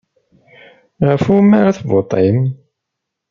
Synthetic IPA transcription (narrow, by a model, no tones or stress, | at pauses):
ʁəfumːaɾaθvot̪ˤim